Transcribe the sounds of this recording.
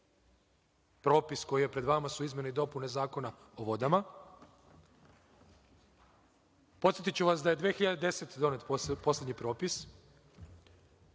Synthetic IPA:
pɾo̞ːpisko̞jije̞pɾe̞d̪ʋamasuizmʲje̞neid̪o̞pune̞zaːko̞na | oʋo̞d̪ama | po̞t̪sjet̪it͡ɕt͡ʃuʋasd̪aje̞d̪ʋeːxiʎad̪ed̪e̞set̪d̪o̞net̪po̞sle̞d̪ɲipɾo̞ːpis

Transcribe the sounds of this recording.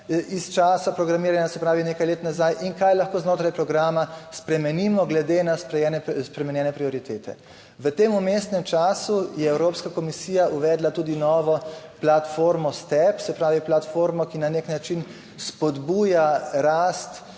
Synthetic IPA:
ist͡ʃaːsapɾɔɡɾamiːɾanʲjasɛpɾaːʋineːkajleːt̪nazajʔiŋkajlaxkoːznoːt̪ɾajpɾɔɡɾaːmaspɾɛmɛniːmɔɡlɛd̪enaspɾɛɛnɛspɾɛmɛnjɛːnɛpɾiɔɾit̪eːt̪ɛ̰ | ʋət̪eːmumest̪nɛmt͡ʃaːsujɛɛwɾoːpskakɔmisiːjaʔuʋɛd̪lat̪uːd̪inɔːʋɔplat̪foːɾmɔst̪ɛpsɛpɾaːʋiplat̪foːɾmɔkinaneknat͡ʃin | spɔd̪buːjaɾaːst̪

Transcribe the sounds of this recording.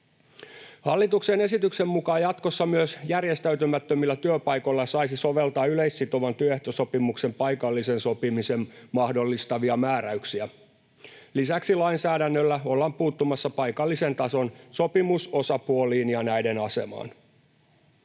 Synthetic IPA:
hɑlːit̪uksene̞sit̪yksemːukɑːjɑt̪ko̞sːɑmyøsjærje̞st̪æyt̪ymæt̪ːømilːæt̪yøpɑjko̞jlːɑsɑjsiso̞ʋe̞lt̪ɑːyle̞isːit̪o̞ʋɑnt̪yøeht̪oso̞pimukse̞mpɑjkɑlːise̞nso̞pimise̞mmɑhdo̞lːist̪ɑʋiɑmæːɾæyksiæ | lisæksilɑinsæːdænːølːæolːɑmpuːt̪ːumɑsːɑpɑjkɑlːise̞nt̪ɑso̞nso̞pimuso̞sɑpuo̞liːnjɑnæjde̞nɑse̞̰mɑ̰ːn

